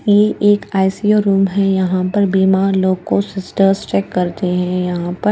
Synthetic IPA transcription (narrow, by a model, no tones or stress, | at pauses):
jeʔːkaːɪsiːoːɾuːmɦɛ̃jɐɦãpɐɾbiːmaːɾloːɡkosɪsʈəɾst͡ʃɛːkːɐɾt̪eɦɛ̃jɐɦãpɐ